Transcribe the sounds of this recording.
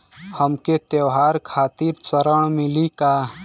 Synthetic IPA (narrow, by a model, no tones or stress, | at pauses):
həmket̪jewɦaɾkʰaːt̪iɾt͡ʃəɾəɳ̃milika